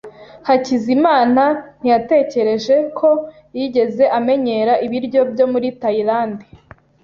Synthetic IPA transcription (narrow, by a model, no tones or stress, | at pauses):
hacizimaːnan̥ijate̞ːce̞ɾe̞ʒe̞kʰo̞ | jiɟe̞ze̞ʔame̞ɲe̞ɾaʔiβiɾɟo̞bjo̞muɾitaiɾaːndi